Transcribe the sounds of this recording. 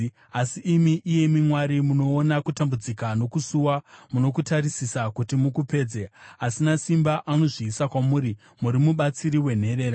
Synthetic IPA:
asiʔːmiʔije̞mimwaɾimuno̞ːnakutambud͡zikano̞kusuwamuno̞kutaɾisisakutimukupe̞ːd͡zeasinasimbaʔano̞ʐiːsakwamuːɾi | muɾimuɓat͡siɾiwe̞n̤e̞ɾe̞ːɾa

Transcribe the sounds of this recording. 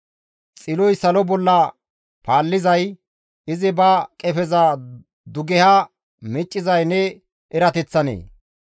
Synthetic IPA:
t͡sʼɪlɔjsɐlɔbɔlːɐ | paːlːɪzɐj | ɪzɪbɐkʼɛfɛza | d̪ʊɡɛha | mɛt͡ʃʼːɪzɐjnɛ | ʔɛɾɐt̪ɛt͡sːɐnḛː

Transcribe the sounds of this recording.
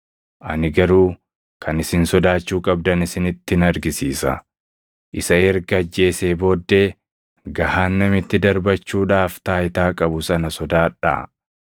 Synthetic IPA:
ʔɐ̰nɪɡɐɾuː | kʰɐnɪsɪnsɔd̪aːt͡ʃːuːkʼɐbd̪ɐnɪsɪnɪt̪ːɪnɐɾɡɪsiːsɐ̰ | ʔɪsɐɛɾɡɐɐd͡ʒːe̞ːseːbo̞ːd̪ːeː | ɡɐhaːnːɐmɪt̪ːɪd̪ɐɾbɐt͡ʃːuːᶑaːft̪aːjɪt̪aːkʼɐbʊsɐnɐsɔd̪aːᶑa̰ː

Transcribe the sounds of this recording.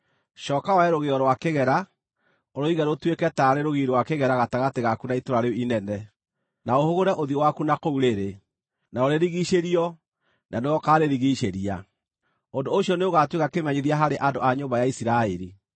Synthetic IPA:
ʃɔːkawaɛɾoɣeɔɾwakeɣɛɾa | oɾoiɣɛɾotwekɛtaɾeɾoɣiɾwakeɣɛɾaɣataɣateɣakunaitoɾaɾeinɛnɛ | naohoɣoɾɛʔoðiowakunakouɾeɾe | naoɾeɾiɣiʃeɾiɔ | nanewɔkaɾeɾiɣiʃeɾia | ondooɕjɔneoɣatwekakemɛɲeðiaɦaɾeʔandoʔaɲoːmbajaisiɾaeɾi

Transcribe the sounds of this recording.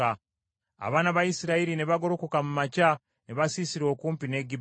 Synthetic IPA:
a | a̰βaːnaβajisiɾaiɾine̞βaɡo̞ɾokokamumaca | neβasisiɾo̞ːkuːmpine̞ɡi

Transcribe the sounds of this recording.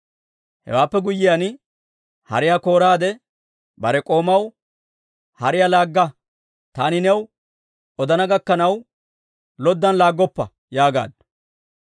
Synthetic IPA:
hɛ̰waːpːɛɡʊjːɪjan | hɐ̰ɾɪjako̞ːɾaːd̪ɛ | bɐɾɛkʼo̞ːmɐw | hɐɾɪjalaːɡːɐ | t̪aːnɪnɛw | ɔd̪ɐnɐɡɐkːɐnɐw | lɔd̪ːɐnlaːɡːɔpːɐ | jaːɡa̰ːd̪̚

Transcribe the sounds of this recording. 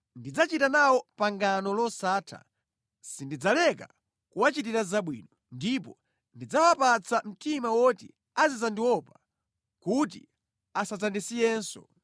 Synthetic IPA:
ndid͡zat͡ʃitanawɔpaŋɡanɔlɔsaːtʰa̰ | sindid͡zalɛka | kuwat͡ʃit̬iɾazaɓwḭːnɔ | ndip̬ɔ | ndid͡zawapat͡sʰam̩tʰimawɔtḭ | azizandiwɔpa | kut̬ḭ | asazandisijɛːnsɔ̰

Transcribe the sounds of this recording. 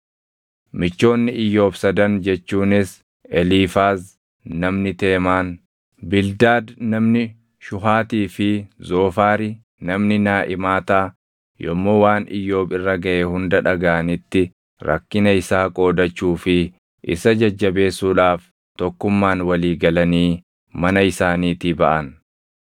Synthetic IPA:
mɪt͡ʃːo̞ːnːɪɪjːo̞ːbsɐd̪ɐnd͡ʒɛt͡ʃːuːnɪs | ɛliːfaːz | nɐmnɪt̪e̞ːmaːn | bɪld̪aːd̪nɐmnɪ | ʃʊɦaːt̪iːfɪzo̞ːfaːɾi | nɐmnɪnaːʔɪmaːt̪aː | jɔmːo̞ːwaːnɪ̰jːo̞ːbɪrːɐɡɐʔeːhʊnd̪ɐᶑɐɡaʔɐnɪt̪ːɪ | ɾɐ̰kːɪnɐɪsaːkʼo̞ːd̪ɐt͡ʃːuːfɪ | ʔɪ̰sɐd͡ʒɐd͡ʒːɐbe̞ːsːuːᶑaːf | t̪ɔkːʊmːaːnwɐliːɡɐlɐniː | mɐnɐɪsaːniːt̪ɪbɐʔɐn

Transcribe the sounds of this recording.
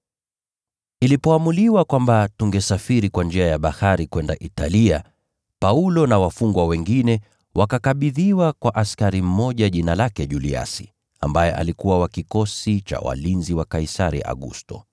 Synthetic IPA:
ilipɔamuliwakwambatuŋɡɛsafiɾikwand͡ʒɛajaɓahaɾikwɛndaʔitalia | paulɔnawafuŋɡwawɛŋɡinɛ | wʔakakaɓiðiwakwaʔaskaɾim̩mɔʄaʄinalakɛʄulia̰si̥ | a̰mbajɛʔa̰likuwawakikɔsit͡ʃa̰wa̰linziwakaisaɾḭʔa̰ɠṵstɔ̰

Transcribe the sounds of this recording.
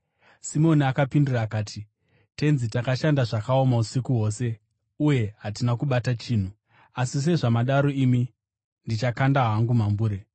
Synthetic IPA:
simo̞niakapinduraːkaːtʰi | te̞nzitakaʃandaʐakao̞mausikuɦo̞ːse̞ | uje̞ɦatinakuɓatat͡ʃiːn̤u | asis̬e̞ʐamaɗaɾo̞imi | ndit͡ʃakandaɦaŋɡumambuːɾe

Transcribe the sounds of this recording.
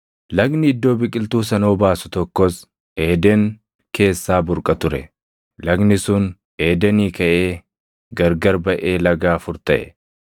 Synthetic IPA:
lɐɡnɪɪd̪ːo̞ːbɪkʼɪlt̪uːsɐno̞ːbaːsʊ̥t̪ɔkːɔs | eːd̪ɛŋ | kʰe̞ːsːaːbʊɾkʼɐt̪ʊɾɛ | lɐɡnɪsʊn | eːd̪ɛniːkɐʔe̞ː | ɡɐɾɡɐɾbɐʔe̞ːlɐɡaːfʊɾt̪ɐʔɛ̥̰

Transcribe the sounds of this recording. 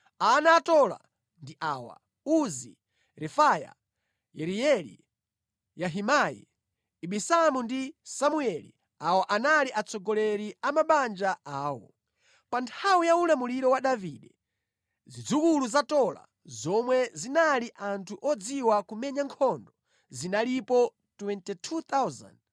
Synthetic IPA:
anatɔla̰ | ndiʔaːwa̰ | uzi | ɾɛfaja̰ | jɛɾijɛlḭ | jaɦimajɛ̰ | iɓisamundisamuɛlḭ | awɔʔanaliʔat͡sʰɔɡɔlɛɾiamaɓand͡ʒaaːwɔ̰ | pantʰawijaulamuliɾɔwaɗaviɗɛ | zid͡zukuluzatɔla̰ | zɔmwɛzinaliʔantʰuʔɔd͡ziwakumɛɲaŋkʰɔndɔ | zinalipɔ | twɛntɛtʰut̪awza̰nd

